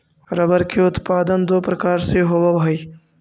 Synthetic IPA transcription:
ɾɐbɐɾkeʊt̪paːd̪ɐnd̪oːpɾɐkaːɾseɦoʋɐbɦɐj

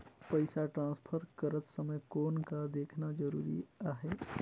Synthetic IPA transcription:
pəɪsaʈɾãːspʰəɾkəɾət̪səməjkoːnkad̪eːkʰnad͡ʒəɾuːɾḭaːɦe

